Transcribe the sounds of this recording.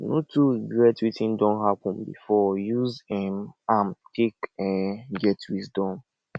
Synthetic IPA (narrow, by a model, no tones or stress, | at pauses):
notuɡɹɛtwitʰĩndɔ̃nɦapɔ̃nbḭfɔjuzɛmamkʰekɛɡɛtwizdɔ̃m